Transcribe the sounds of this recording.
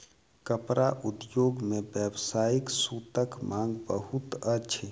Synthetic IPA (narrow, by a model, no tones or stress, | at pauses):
kəpɾaʔut̪joɡmebjəbsaiksut̪əkmãŋɡbəɦut̪ət͡ʃʰe